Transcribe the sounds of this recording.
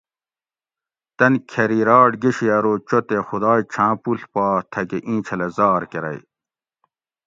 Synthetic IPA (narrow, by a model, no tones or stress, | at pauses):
t̪ɐnkʰɐɾiɾɑːʈɡeɕijɐɾoːt͡ɕot̪exud̪ɑːjt͡ɕʰãːpuɬpɑːt̪ʰɐɡeʔĩːt͡ɕʰɐlɐzɑːɾkeɾɐ̰j